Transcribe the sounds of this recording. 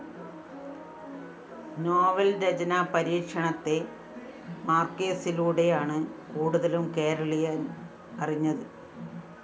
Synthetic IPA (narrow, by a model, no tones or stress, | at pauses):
noːʋɐlɾɐd͡ʑɐnapɐɾiːkʂɐɳɐt̪ːe̞ | maːrkeːsiluːɽe̞jaːɳɨkuːɽuðɐlumke̞ːɾɐɭijaːn | ɐriɲːɐðɨ